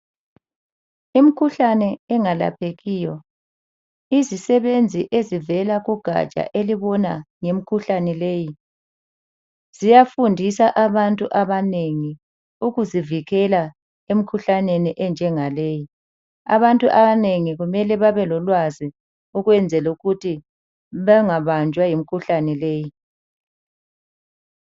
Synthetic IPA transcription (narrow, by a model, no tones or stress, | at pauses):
imikʰuɬanɛːŋala̰pʰeɣiːjɔ | izisɛβend͡zʱiʔezivɛlaɣuɡ̥ʱa̰t͡ʃʼa̰ʔeliβɔnaŋem̩kʰuɬanɛleːji | z̥ijafundʱisaʔaβantʼuʔaβaneŋi | uɣuziviɣɛla | em̩kʰuɬaneniʔɛnd͡ʒʱɛŋaleːji | a̰βantʼuʔaβaneŋiɣumɛlɛβaβɛlɔlwazi | uɣwɛnd͡zʱɛluɣutʰi | βaŋaβand͡ʒʱwajim̩kʰuɬanɛleːji